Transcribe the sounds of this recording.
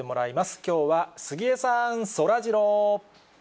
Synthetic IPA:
e̞mo̞ɾaimasɨ̥kʲo̞ːβasɨɡʲie̞saɰ̃so̞ɾaʑiɾoː

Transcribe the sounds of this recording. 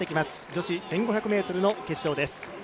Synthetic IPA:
ekʲimasɨ̥d͡ʑo̞ɕisẽ̞ŋɡo̞çʲakɯ̟me̞ːt̪o̞ɾɯ̟noke̞ɕːo̞ːd̪e̞sɨ̥

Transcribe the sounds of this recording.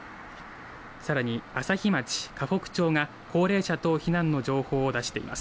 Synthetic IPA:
saɾaɲ̟iasaçimat͡ɕi̥kʰaɸo̞kɯ̟̥t͡ɕo̞ːŋa | ko̞ːɾe̞ːɕat̪o̞çinãnːo̞d͡ʑo̞ːho̞ːd̪aɕi̥t̪e̞ḭma̰sɨ̥

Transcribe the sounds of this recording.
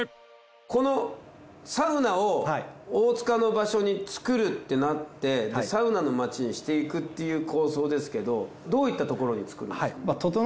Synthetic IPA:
ko̞no̞ | saɯ̟naooːt͡sɨ̥kano̞baɕo̞ɲ̟it͡sɨ̥kɯ̟ɾɯ̟t̪ːe̞nat̪ːe̞d̪esaɯ̟nano̞mat͡ɕiɲ̟iɕi̥t̪e̞ikɯ̟t̪ːe̞jɯ̟ːkʰo̞ːso̞ːd̪e̞sɨ̥ke̞d̪o̞ | d̪o̞ːit̪ːat̪o̞ko̞ɾo̞ɲ̟it͡sɨ̥kɯɾɯ̟nemt̪ot̪

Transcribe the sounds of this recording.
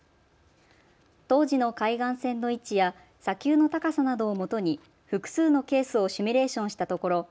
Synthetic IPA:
t̪o̞ːʑino̞kaiɡãɰ̃sẽ̞nːo̞it͡ɕija | sakʲɨːno̞t̪akasanad̪o̞ːmo̞t̪o̞ɲ̟i | ɸɯ̟kɯ̟̥sɨːno̞ke̞ːsɨo̞ɕimʲiɾe̞ːɕõ̞ɰ̃ɕi̥t̪at̪o̞ko̞ɾo̞

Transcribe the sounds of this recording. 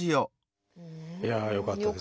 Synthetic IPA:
ijo | jajo̞kat̪ːad̪e

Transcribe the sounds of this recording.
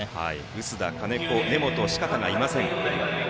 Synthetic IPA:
ha̰i | ɯ̟sɨd̪akane̞kone̞mo̞t̪o̞ɕi̥kat̪aŋɡaimasẽ̞ŋ

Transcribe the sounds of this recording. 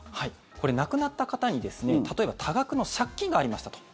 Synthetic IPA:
hai | ko̞ɾe̞nakɯ̟nat̪ːakat̪aɲ̟id̪e̞sɨnet̪at̪o̞e̞bat̪ʰaɡakɯ̟no̞ɕakʲːĩŋɡaːɾʲimaɕi̥t̪ḁt̪o̥

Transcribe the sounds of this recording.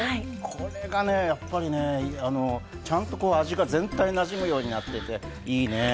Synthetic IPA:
akʰo̞ɾe̞ɡane̞japːaɾʲine̞iano̞ | t͡ɕãnt̪o̞ko̞ːaʑiɡazẽ̞nt̪ainaʑimɯ̟jo̞ːɲ̟inat̪ːe̞t̪e̞ | iːne̞

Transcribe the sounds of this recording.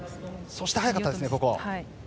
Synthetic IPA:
so̞ɕi̥ehajakat̪ːdesɨnebo̞koβa̰a

